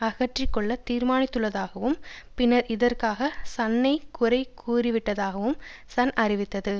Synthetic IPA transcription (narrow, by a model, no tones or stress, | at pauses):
ɐɣɐʈrɪkːɔɭːɐt̪iːɾmaːnɪt̪ːɯɭːɐðaːɣɐʋɯmpɪnːɐɾɪðɐrkaːɣɐsɐnːɐɪkʊrɐɪkʰuːrɪʋɪʈːɐðaːɣɐʋɯmsɐnʔɐrɪʋɪt̪ːɐðɯ